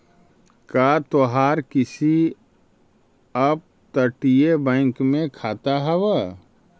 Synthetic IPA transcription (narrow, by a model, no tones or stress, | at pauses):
kaːt̪oɦaːɾkɪsi | ɐp̚ | t̪əʈijebɛ̃ːŋkmẽkʰaːt̪aɦɛwa